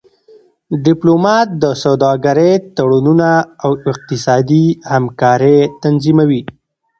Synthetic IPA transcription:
ɖɪplomɑt̪̚d̪əsawd̪ɑɡaɾet̪aɽununaːwɪq̚t̪ɪsɑd̪ihamkɑɾet̪anzimawi

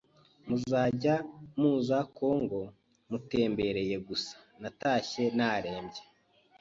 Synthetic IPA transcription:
muzaːɟamuːzakoŋɡo̞ | mute̞ːmbe̞ɾe̞je̞ɡusḁnataːçe̞naːɾe̞ːmbɟe

